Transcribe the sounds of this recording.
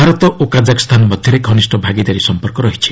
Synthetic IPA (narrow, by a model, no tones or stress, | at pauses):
bʱaɾɔt̪ɔʔokad͡ʒakst̪ʰanɔmɔd̪ʱjɔɾekʰɔnisʈɔbʱaɡid̪aɾisɔmpɔɾkɔɾɔɦit͡ʃʰi̥